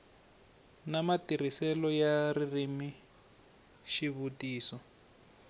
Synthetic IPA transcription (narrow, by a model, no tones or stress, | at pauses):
namatir̤isɛlɔjaririmi | ʃiβutiːsɔ